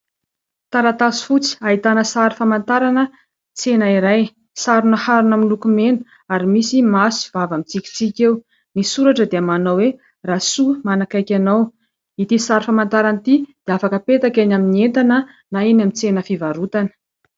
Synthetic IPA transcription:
t̪aɾat̪asi̥fut͡si̥ait̪anəsaɾifamant̪aɾanə | t͡senaiɾaj | saɾunəhaɾunamilukumenu̥ | aɾimisimasu̥vavamit͡sikʲi̥t͡sikʲew | nisuɾaʈ͡ʂəd̪eamanawwe | rasumanakajkʲanaw | it̪isaɾifamant̪aɾant̪id̪̥eafakəpet̪akanaminient̪anə | naenamit͡senəfivaɾut̪anə̥

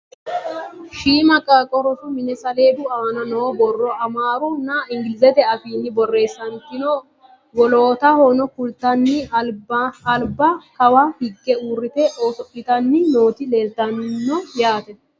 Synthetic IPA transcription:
ʃiːmɐkʼːakʼɔɾɔʃʊmɪnɛsɐle̞ːd̪ʊɐɐnɐnɔwɔbɔrːɔɐmaːɾʊnːɐɪŋɡɪlɪzɛt̪ɛɐfiːnːɪbɔrːe̞ːsːɐnt̪ɪnɔ | wɔloːt̪ɐhoːnɔkʊlt̪ːɐnːɪlːlbɐkɐwɐhɪɡːɛurːɪt̪ɛʔo̞ːsɔʔɪt̪ɐnːɪno̞ːt̪ɪleːlt̪ːɐnːɪnːɔjaːt̪ɛ

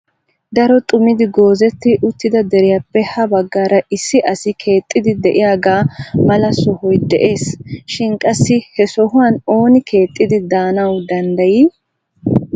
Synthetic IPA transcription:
d̪ɐɾɔt̪ʼʊmɪd̪ɪɡo̞ːzɛt̪ːɪʔʊt̪ːɪd̪ɐd̪ɛɾɪjapːɛhɐbɐɡːaːɾɐʔɪsːɪʔɐsɪkʰe̞ːt̪ʼːɪd̪ɪd̪ɛʔɪjaːɡaːmɐlɐsɔhɔjd̪ɛʔe̞ːsʃɪnkʼɐsːɪhɛsɔɦʊwano̞ːnɪkʰe̞ːt̪ʼːɪd̪ɪd̪aːnɐwd̪ɐnd̪ɐji

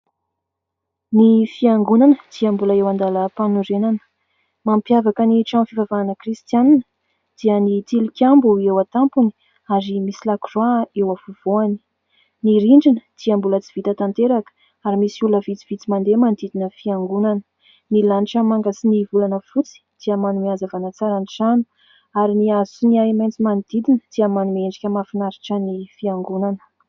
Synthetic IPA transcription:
nifiaŋɡunanəd̪̥iəmbuləewand̪aləpanuɾenanə̥ | mampjavakəniʈ͡ʂamfivavaanəkrist̪ijaninə̥ | d̪̥iənit̪ilikʲambuewat̪ampuni̥ | aɾimisilakrwaewafuv̥oani̥ | niɾiɳɖ͡ʐinə̥d̪̥iəmbulət͡si̥v̥it̪ət̪ant̪eɾakə̥ | aɾimisiuləvit͡si̥v̥it͡simand̪emand̪id̪inəfiaŋɡunanə̥ | nilaniʈ͡ʂəmaŋɡasinivulanəfut͡si̥d̪̥iəmanumiazavanat͡saɾaniʈ͡ʂanu̥ | aɾiniazuniamajnt͡simanid̪̥id̪inəd̪̥iəmanumeɳɖ͡ʐikʲəmafinaɾiʈ͡ʂənifiaŋɡunanə̥

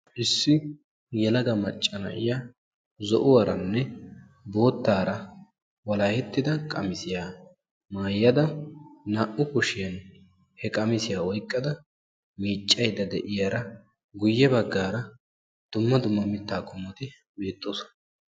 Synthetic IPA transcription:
ʔɪsːɪ | jɛlɐɡɐmɐt͡ʃʼːɐnɐ̰ʔɪja | zɔʔʊwɐɾɐnːɛ | bo̞ːt̪ːaːɾɐ | wɐlaːhɛt̪ːɪd̪ɐkʼɐ̰mɪsɪjaː | maːjːɐd̪ɐnaʔʊkʊʃɪjɐn | hɛkʼɐmɪsɪjaːɔjkʼːɐd̪ɐ | miːt͡ʃʼːɐjd̪ɐd̪ɛʔɪjaɾɐ | ɡʊjːɛbɐɡːaːɾɐ | d̪̥ʊmːɐd̪ʊmːɐmɪt̪ːaːkʼʊmːɔt̪ɪ | be̞ːt̪ʼːoːsɔ̥nɐ

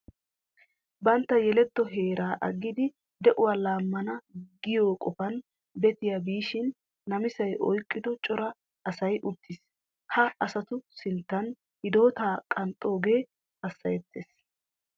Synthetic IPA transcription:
bɐnt̪ːɐjɛlɛt̪ːɔɦe̞ːɾʔaːʔɐɡːɪd̪ɪ | d̪ɛʔʊwaːlaːmːɐnɐɡɪjoːkʼɔfɐn | bɛt̪ɪjabiːʃɪnː | ɐmɪsɐjʔɔjkʼːɪd̪ɔt͡ʃʼɔɾɐ | ɐsɐjʔʊt̪ːɪs | hɐʔɐsɐt̪ʊsɪnt̪ːɐn | hɪd̪o̞ːt̪aːkʼɐnt̪ʼːo̞ːɡe̞ː | ɐsːɐjɛt̪ʰːeːs

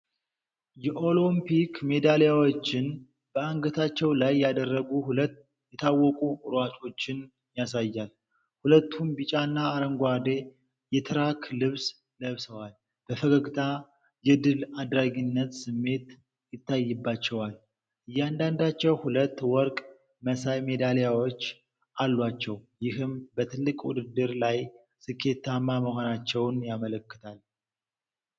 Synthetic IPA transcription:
jɛʔo̞lompikme̞d̪alejawo̞t͡ʃːɪn | b̥əaŋɡət̪ʰat͡ʃːɛwlajːad̪ərːəɡuhulət̪ː | jɛt̪ʰawːɔkʼuɾat̪ʰo̞t͡ʃːɪn | jasajːal | hulət̪ʰːumbit͡ʃʼanːaːɾəŋɡʷad̪e̞ | jɛt̪ʰɨɾakʰlɨβs | ləβsəwal | b̥əfəɡəɡt̪ʰa | jɛd̪ɨlad̪ɾaɡinːət̪sɨmːe̞t̪ | jɪt̪ːajːɨbːat͡ʃːɛwal | ʔɨjːɛand̪and̪at͡ʃːɛwhulət̪ːwɔɾkʼ | məsajme̞d̪alejawot͡ʃː | ʔalːwat͡ʃːɛwjɪɦɨmbət̪ʰɨlːɨkʼwud̪ɨd̪ːɨɾlaj | sɨkʰːe̞t̪ʰːamːaməhonat͡ʃːɛwnjamələkːɨ̥t̪ʰal

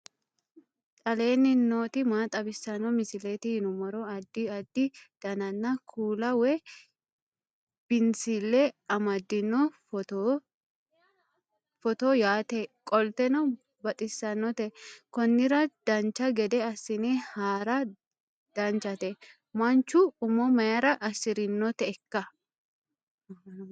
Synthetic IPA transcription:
t̪ʼɐle̞ːnːɪno̞ːt̪ɪmaːt̪ʼɐbɪsːɐnːɔmɪsɪleːt̪ɪhɪnʊmɔɾɔɐd̪ːɪɐd̪ːɪd̪̥ɐnɐnːɐkʰuːlɐwɛ | b̥ɪnsɪlːɛɐmɐd̪ːɪnːɔf | fɔt̪ɔjaːt̪ɛkʼɔlt̪ɛnɐ | bɐt̪ʼɪsːɐnːɔt̪ɛkɔnːɪɾɐd̪̥ɐnt͡ʃːɐɡɛd̪ɛɐsːɪnɛhaːɾɐ | d̪̥ɐnt͡ʃːɐt̪ɛ | mɐnt͡ʃːʊːmɔmɐjɐɾɐʔɐsɪɾɪnːɔt̪ɛːkːɐ

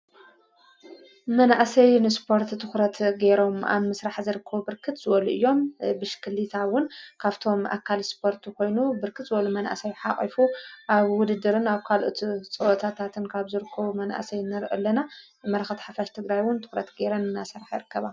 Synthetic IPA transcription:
mɐnaʔsɐjnɨspʰo̞ɾt̪t̪ʰɨxɾɐt̪ɡe̞ɾo̞ma̰βmːɨsɾaħzɨɾɨkʰːɐβubɨɾkʰɨt̪z̥ɨwɐluʔɨjːo̞mbɨʃkʰɨlːit̪ʰawʊnkʰaβt̪ʰo̞mʔa̰kʰːalspʰo̞ɾt̪ʰukʰo̞jnubɨɾkʰɨt̪zɨwɐlumɐna̰sɐjħaχʼḭfuʔaβwʊd̪ɨd̪ɨɾɨnaβkʰalʔot̪ʰt͡sʼɨwot̪ʰat̪ʰat̪ʰɨnkʰaβzɨɾɨkʰːɐβumɐnʔa̰sɐjnɨɾʔɨlːɐna | mɐɾɐxɐt̪ħafaʃt̪ʰɨɡɾajwʊnt̪ʰɨ̥xɾɐ̰t̪ɡeɾɐnɨnːasɐɾaħjɪɾɨkːɐβa

